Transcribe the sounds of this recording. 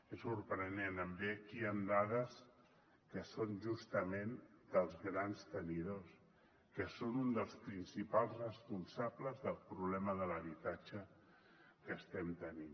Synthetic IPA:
esuɾpɾənenəmbekiand̪aðəs | kəsonʒust̪əmend̪əlˠzɣɾanst̪əniðos | kəsonund̪əlˠspɾinsipalˠzrəspunsabləzðəlˠpɾuβlɛməðələβit̪at͡ʃə | kəst̪ɛmt̪ənin

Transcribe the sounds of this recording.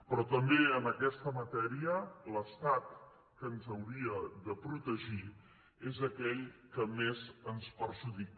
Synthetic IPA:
pɾɔt̪əmbeənəkɛst̪əmət̪ɛɾiələst̪at̪̚ | kənzəwɾiəðəpɾut̪əʒi | ezəkɛʎkəmezənspəɾʒuðik

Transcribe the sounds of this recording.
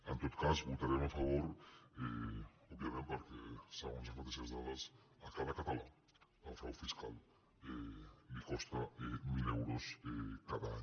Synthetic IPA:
ent̪ot̪kasbot̪aɾemafaβoɾe | oβjamẽnt̪eoɾkesaonsãfat̪esazðaðas | akaðakat̪ala | afaβoɾfiskal | emikost̪aemilewɾosekaðaaɲ

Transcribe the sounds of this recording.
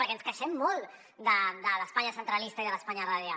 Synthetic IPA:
əɾkɛnskəʃɛmːɔlˠt̪ | d̪əd̪ələspaɲəsənt̪ɾəlist̪əiðələspaɲəraðja

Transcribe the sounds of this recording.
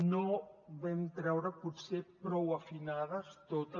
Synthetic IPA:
noβɛmt̪ɾɛwɾəpusepɾɔwəfinaðəst̪ot̪ə

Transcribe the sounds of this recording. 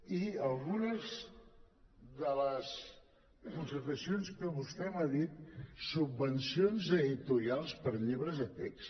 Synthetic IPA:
iəlˠɣunəz | ðələs | kunsəɾt̪əsionskəβust̪ɛmaðit̪̚subːənsionzəðit̪uɾialˠspəɾʎeβɾəzət̪ɛks

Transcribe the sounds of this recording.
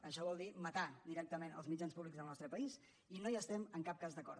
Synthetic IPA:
əʃɔβɔlˠd̪imət̪ad̪iɾɛk̚t̪əmenə̰lˠzmid͡ʒanspuβlikzðəlˠnɔst̪ɾəpəis | inoiəst̪ɛməŋkap̚kazðəkɔ̰ɾ

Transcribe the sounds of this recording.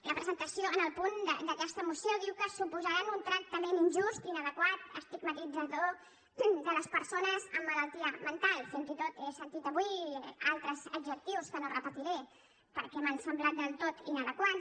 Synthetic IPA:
ləpɾəzənt̪əsioənəlˠpund̪əd̪əkɛst̪əmusjoðiwkəsupuzəɾanunt̪ɾək̚t̪əmeninʒust̪inəðəkwat̪ə̰st̪iɡmət̪id͡zəðo | d̪ələspəɾsonəzəmːələlˠt̪iəmənt̪alˠfinzit̪ot̪esənt̪it̪əβwialˠt̪ɾəzəɡʒək̚t̪iwskənorəpət̪iɾe | pəɾkɛmənsəmblat̪̚d̪əlˠt̪ot̪inəðəkwat̪

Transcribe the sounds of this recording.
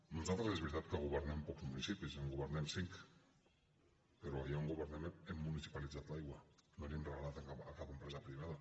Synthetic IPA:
mont͡sat̪ɾezβeɾt̪at̪̚keɣoβeɾnempokzmunisipiseŋɡoβeɾnemsiŋk | peɾoajaoŋɡoβeɾnemeemːunisi̥palit͡sat̪lajɣwanoninreɣalat̪eŋkaakakempɾesapɾiβ̞aða

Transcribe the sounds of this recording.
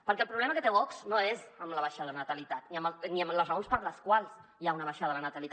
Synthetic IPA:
pəɾkɛəlˠpɾuβlɛməkət̪eɔksnoezəmləβaʃaðələnət̪əlit̪at̪niəməniəmləzrəonspəɾləskwalˠz̥ | jaunəβaʃaðələnət̪əlit̪a

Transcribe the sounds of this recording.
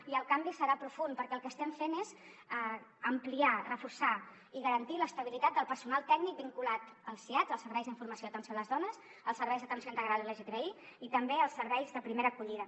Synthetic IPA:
iəlˠkambisəɾapɾufunpəɾkɛəlˠkəst̪ɛmfenez | əmpliarəfursa | iɣəɾənt̪iləst̪əβ̞ilit̪at̪̚d̪əlˠpəɾsunalˠt̪ɛɡnik̚biŋkulat̪əlˠsiazəlˠsəɾβɛjzðiɱfuɾməsjoət̪ənsioləzðɔnəz | əlˠsəɾβɛjzðət̪ənsjoint̪əɣɾalˠiləʒet̪ɾei | it̪əmbeəlˠsːəɾβɛjzðəpɾimeɾəːkuʎiðə

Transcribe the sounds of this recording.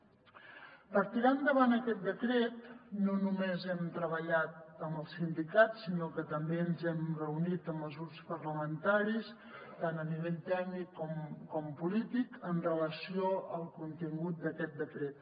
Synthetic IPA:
pəɾt̪iɾand̪əβanəkɛt̪̚d̪əkɾɛt̪̚nonumezɛmt̪ɾəβəʎat̪̚əmbəlˠsind̪ikat̪sinokət̪əmbeənzɛmrəunit̪əməzurspəɾləmənt̪aɾis | t̪anəniβ̞eʎt̪ɛɡnikːɔmkɔmpulit̪ikənrələsioəlˠkunt̪iŋɡut̪̚d̪əkɛt̪̚d̪əkɾɛt̪̚

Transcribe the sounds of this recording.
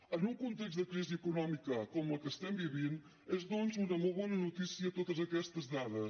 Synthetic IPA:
ənuŋkunt̪eksðəkɾiziəkunɔmikəkomɐkəst̪ɛmbiβin | ezðonzunɐmolˠβɔnɐnut̪isiɐt̪ot̪əzɐkɛst̪əzðaðəs

